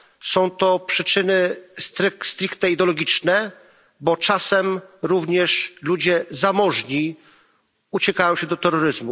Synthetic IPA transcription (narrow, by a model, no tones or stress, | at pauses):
sɔ̃w̃t̪ɔpʂɘt͡ʂɘnɘst̪ɾɘkst̪ɾikt̪nɛid̪ɛɔlɔɡʲit͡ʂnɛ | bɔt͡ʂasɛmɾuvɲɛʂlud͡ʑɛzamɔʐɲi | ut͡ɕɛkajɔ̃w̃ɕɛd̪ɔt̪ɛɾɔɾɘzmu